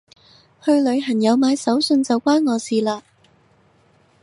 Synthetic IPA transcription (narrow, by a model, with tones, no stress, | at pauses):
hɵ˧ɥlɵ˨˧ɥɦɐ˨˩njɐ˨˧wmaː˨˧jsɐ˨˥wsɵ˧nt͡sɐ˨wkʷwaː˥nŋɔː˨˧siː˨laː˧